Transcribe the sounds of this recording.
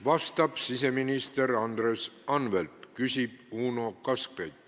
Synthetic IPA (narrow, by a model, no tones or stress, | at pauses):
vɑst̪ɑb̥sis̬e̞minist̪eɾɑnd̪resɑnvelt̪kysʲib̥uːnokɑskejt̪